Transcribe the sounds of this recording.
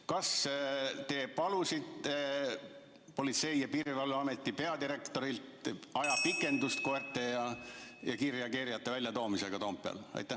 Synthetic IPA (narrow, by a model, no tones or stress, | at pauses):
kɑst̪e̞ːpɑlusid̪ | po̞lʲit̪se̞jjɑpiːɾivɑlːuɑme̞t̪ːˑipe̞ɑd̪iɾe̞kt̪o̞ɾilt̪ɑjɑpikːˑe̞nd̪ust̪kort̪ːˑejɑjɑkirjɑkiɾijɑt̪ːˑe̞vælʲjɑt̪o̞ːmise̞ɡ̥ɑt̪o̞ːmppːˑeɑ̰lɑ̰jt̪ːˑæ